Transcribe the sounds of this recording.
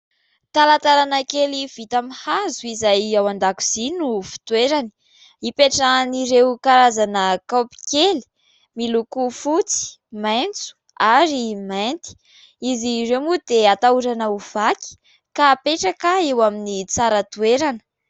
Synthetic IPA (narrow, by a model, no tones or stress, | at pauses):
t̪alat̪aɾanəkeliv̥it̪amihazuizajawand̪aku̥z̥inufi̥t̪ueɾani̥ | ipeʈ͡ʂaniɾewkaɾazanəkapi̥keli̥ | milukufut͡si̥ | majnt͡su̥ | aɾimant̪i̥ | iziremud̪eat̪auɾanauv̥aki̥ | kapeʈ͡ʂakaewaminit͡saɾat̪ueɾanə̥